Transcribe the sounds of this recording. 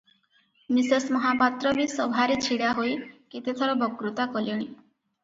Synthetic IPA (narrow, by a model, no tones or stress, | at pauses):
misesmɔɦapat̪ɾɔbisɔbʱaɾet͡ʃʰiɽaɦojket̪et̪ʰɔɾɔbɔkɾut̪akɔljɔɽ̃i